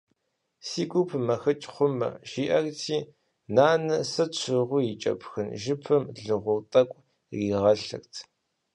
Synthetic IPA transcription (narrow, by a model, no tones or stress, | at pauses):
siːɡʷupʰmɐxɐt͡ʃʼχʷʊmɐ̰ʒiːʔɐrtʰiː | naːnɨsɐt͡ʃʷʰɨʁʷʊjit͡ʃʼɐ̰pʰxɨnʒɨpʰɨmɮɨʁʷʊrtʼɐkʷʼ | riːʁɐɬɐ̰rtʰ